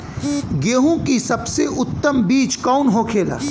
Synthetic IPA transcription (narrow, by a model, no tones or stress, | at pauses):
ɡeːɦõkisɐbseʔʊt̪ːəmbiːt͡ʃkaːʊnɦokʰeːla̰ː